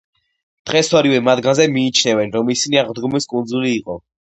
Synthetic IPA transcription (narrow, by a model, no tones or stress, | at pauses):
d̪̥ʁɛswaɾivɛmad̪ɡanzɛmiːt͡ʃʰnɛvɛnɾɔmisiniaʁd̪ɡɔmiskʼund̪zuliːqʼɔ